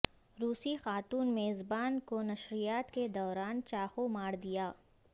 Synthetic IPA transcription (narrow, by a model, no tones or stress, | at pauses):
ɾuːsixaːt̪uːnmeːzbaːnkonɐʃɾijaːt̪ked̪ɔːɾaːnt͡ʃaːxomaːɽd̪ijaː